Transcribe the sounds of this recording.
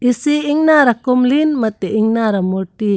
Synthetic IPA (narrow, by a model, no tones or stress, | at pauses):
isiːŋnaɾakɔmlinmat̪ɛiŋnaɾamɔʈi